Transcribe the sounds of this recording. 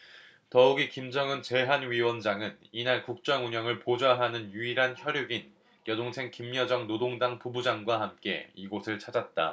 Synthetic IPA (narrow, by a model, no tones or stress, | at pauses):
tʌuɡikimd͡ʑʌŋɯnt͡ɕe̞ɦanɥiwʌnd͡ʑaŋɯninaɭkuk̚t͡ɕ͈ʌŋuɲʌŋɯɭpod͡ʑaɦanɯnjuiɾɦançjʌɾjoɡin | kjʌdoŋsʰe̞ŋkimɲʌd͡ʑʌŋnodoŋdaŋpubud͡ʑaŋɡwaɦamk͈e̞̰iɡosʰɯɭt͡ɕʰad͡ʑat̚t͈a̰